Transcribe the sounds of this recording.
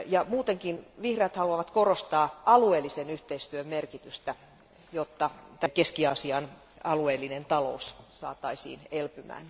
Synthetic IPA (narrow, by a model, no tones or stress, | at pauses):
jɑmuːt̪eŋkinʋihreːt̪hɑluɑʋɑt̪korost̪ɑːʔɑlueːlːisenyht̪eist̪yømmerkit̪yst̪æ | jot̪ːɑt̪ækeskiɑsiɑn | ɑlueːlːinent̪ɑlo̰ussɑ̰ːt̪ɑisḭːnelpymæ̰ːn